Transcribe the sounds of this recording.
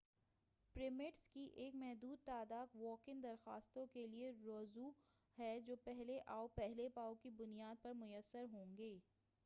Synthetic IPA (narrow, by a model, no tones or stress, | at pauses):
pɾɪmɪʈskiʔeːkmɛɦd̪uːd̪̚t̪aːd̪aːq̪ʋɔːkɪ̃nd̪ɐɾxaːst̪õkelieɾɔːzu | hɛd͡ʒoːpɛɦleʔaːopɛɦlepaːokibʊnijaːd̪̚pɐɾmʊjəsːəɾɦõːŋɡeː